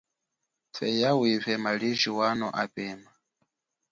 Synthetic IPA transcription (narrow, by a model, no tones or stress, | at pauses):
fɛjawivɛmaliʒiwanɔʔapɛːma